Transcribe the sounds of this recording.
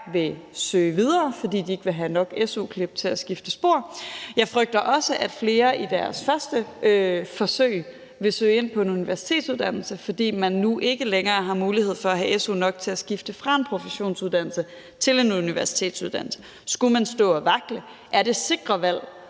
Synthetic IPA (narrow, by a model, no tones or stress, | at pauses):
ʋe̝sø̰ːʋið̞ˠɐːfɒ̽d̥ḭːd̥ie̝ɡ̥əʋe̝ɦænɒ̽ɡ̥esukʰleb̥̚t͡sʰe̝læsɡ̥ifd̥əsb̥o̝ɐ̰jɑ̈ɪfʁœɡ̥̚d̥ɐʔɒ̽səʔæd̥fle̝ːɐʔid̥æɐsfɶɐsd̥əøfɒ̽sø̰ɪ̰ | ʋe̝sø̰ːɪe̝n̰pʰɒ̽e̝nuniʋæɐsi̥t͡sʰe̝̰ːd̥suðˠd̥æn̰l̩səfɒ̽d̥ḭːmænːuʔe̝ɡ̥əleŋɐːɦɑ̈muːlihe̝ð̞̰ˠfɒ̽æɦæʔesṵnɒ̽ɡ̥̚t͡sʰe̝æsɡ̥ifd̥əfʁɑ̈e̝npʰʁo̝fəɕo̝̰ːnsuðˠd̥ænl̩sə | t͡sʰe̝le̝nuniʋæɐsi̥t͡sʰe̝̰ːd̥suðˠd̥æn̰l̩sə̥ | sɡ̥umænsd̥ɔ̰̽ːɒʋɑ̈ɡ̥lə | ʔæɐɾ̥e̝se̝ɡ̥ʁɐʋæl̰